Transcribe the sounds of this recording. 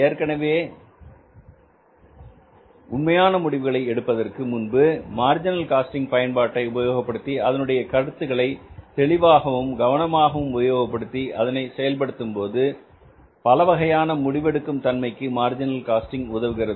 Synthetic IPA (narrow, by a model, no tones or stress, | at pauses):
eːɾkɐɳɐʋeː | ʊnmɐjaːnɐmʊɽɪʋɯɣɐɭɐɪɛɽɯpːɐðɐrkɯmʊnbɯmaːɾd͡ʒɪnɐlkaːsʈɪŋɡ̚pɐjɐnpaːʈːɐɪʊbɐjoːɣɐpːɐɽɯt̪ːiɐðɐnɯɽɐjɐkɐɽɯt̪ːɯɣɐɭɐɪt̪ɛɭɪʋaːɣɐʋɯmɡɐʋɐnɐmaːɣɐʋɯmʊbɐjoːɣɐpːɐɽɯt̪ːiʔɐðɐnɐɪsɛjɐlpɐɽɯt̪ːɯmpoːðɯ | pɐlɐʋɐɣɐjaːnɐmʊɽɪʋɛɽɯkːɯmt̪ɐnmɐɪkːɯmaːɾd͡ʒɪnɐlkaːsʈɪŋɡʊðɐʋɯɣɪrɐðɯ